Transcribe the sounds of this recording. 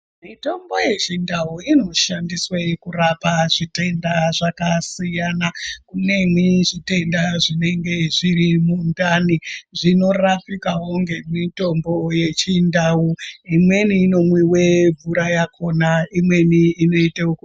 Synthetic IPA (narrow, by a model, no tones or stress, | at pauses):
mito̞mbo̞je̞t͡ʃindauino̞ʃandiswekurapaʐite̞ndaʐakasijanakune̞mwiʐite̞ndaʐine̞ŋɡe̞ʐiɾimundaniʐino̞rafikaɦoŋɡe̞mito̞mbo̞je̞t͡ʃindawuimwe̞niːno̞mwiwe̞bʱuɾajakʰo̞naimwe̞niːno̞iteuku